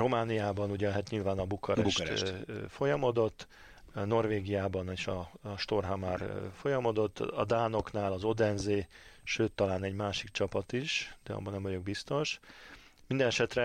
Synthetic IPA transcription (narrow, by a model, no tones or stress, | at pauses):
ro̞maːnijaːbɒnuɟɛɦat̪ɲilvaːnɒbukɒɾɛʃ | fo̞jɒmo̞d̪o̞t̪ː | no̞rveːɡijaːbɒneːʃɒʃt̪o̞rɦɒmarfo̞jɒmo̞d̪o̞t̪ːɒ̰d̪aːno̞knaːlɒzo̞d̪ɛnzeːʃøːt̪ːɒlaːnɛɟmaːʃikt͡ʃɒpɒt̪iʃd̪̥ɛɒ̰bːɒnɛmvɒɟo̞ɡ̚bist̪o̞ʃ | mind̪ɛnɛʃɛt̪rɛ